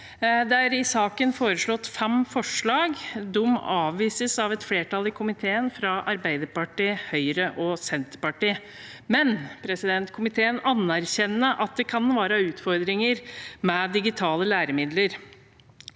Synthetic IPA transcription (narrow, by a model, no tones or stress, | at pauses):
d̪ææɾɪsɑːkənfoːɾəʂɭɔt̪ːfɛmfɔʂɭɑːɡd̪ʊmɑːʋʋiːsəsɑʋɛt̪fleːʈɑlɪkʰʊmɪt̪ʰeːənfɾɑʔɑɾbæɪd̪əɾpɑʈiːhœʏɾəʔɔsɛnt̪pɑʈiː | mɛnpʰɾɛsɪd̪ɛnt̪kʰʊmɪt̪ʰeːənɑnːæɾçɛnːəʔɑt̪̚d̪ɛkʰɑnʋɑːɾəʉːt̪fɔɾd̪ɾɪŋəɾmɛd̪ɪɡɪt̪ʰɑːləlæːɾəmɪd̪ləɾ